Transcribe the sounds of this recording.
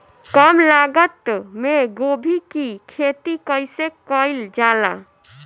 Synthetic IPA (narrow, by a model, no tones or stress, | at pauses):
kəmlaɡət̪meɡobʱikikʰet̪ikəɪsekəɪld͡ʒala̰